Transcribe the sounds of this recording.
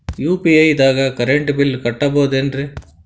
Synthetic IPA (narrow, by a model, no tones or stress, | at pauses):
juːpiɐjd̪aːɡɐkɐɾeɳʈbilkɐʈːɐboːd̪enɾi